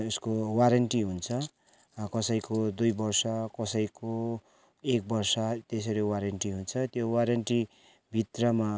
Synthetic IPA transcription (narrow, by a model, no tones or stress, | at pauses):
uskowaɾeɳʈiɦunt͡sʰʌ | kʌsʌjkod̪ujbʌrsʌkʌsʌjko | ek̚bʌrsʌt̪esʌɾewaɾeɳʈiɦunt͡sʰʌt̪jowaɾeɳʈi | bʱit̪rʌma